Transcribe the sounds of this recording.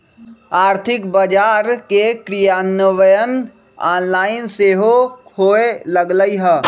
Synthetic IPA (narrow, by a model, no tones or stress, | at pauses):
aːɾt̪ʰɪkbəd͡ʒaːɾkekɾijaːnəʋəjən | aːnlaːɪnseːɦokʰoːeləɡləiɦɛː